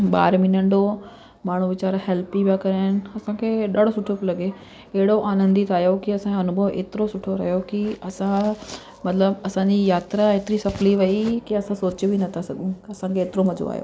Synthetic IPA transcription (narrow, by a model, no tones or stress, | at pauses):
ɓa̰ːɾmɪnəɳɖo | maːɳ̤ũʋɪt͡ɕaːɾɦɛlpibakɐɾaːɪnɪ̆ɐsãkʰeːɗɐɽ̤osʊʈʰoplɐɠe | ɐɦɪɽoʔaːnə̃nd̪it̪aːjokiɐsãɐnʊbʱəʋḛːt̪ɪɾosʊʈʰoɾɐɦjokiɐsã | mɐt̪ləbɐsãːɲd͡ʑijaːt̪ɾaeːt̪ɪɾisɐfliʋɐikiɐsãsoːt͡ɕbinɐt̪ʰasɐɠũɐsãkʰeːt̪ɪɾomɐd͡ʑo̰a̰ɦjo̰ː